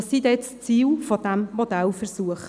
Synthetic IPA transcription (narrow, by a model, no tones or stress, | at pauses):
sid̪ɛt͡st͡siːlfod̥̪æmmod̪ælfəɾsuəχ